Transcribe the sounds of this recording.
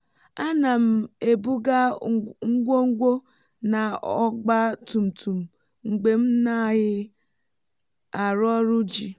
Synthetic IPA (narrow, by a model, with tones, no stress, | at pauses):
a˦na˨m̩˨e˨bu˦ɡa˦ŋ̩˦ɡʷo˦ŋ̩˦ɡʷo˦ | na˨ɔ˦ɡ͡ba˦tu˨m̩˨tu˨m̩˨ | ŋ̩˨ɡ͡be˨m̩˦na˦˨ɦɪ˦ | a˨ɾɔ˦ɾʊ˦d͡ʒi˨